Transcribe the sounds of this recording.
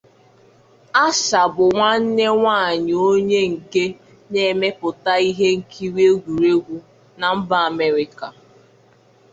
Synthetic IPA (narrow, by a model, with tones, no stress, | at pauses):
a˦ʃa˨bʊ˨ŋʷa˦n̩˦ne˦ŋʷa˦˨ɲ˨o˦ɲe˦ŋ̩˨ke˦ | ne˦˨me˦pʊ˨ta˦i˦ɦe˦ŋ̩˨kʰi˦we˦ɡʷu˨ɾe˦ɡʷu˦ | na˨m̩˦ba˨a˨me˦ɾɪ˦ka˨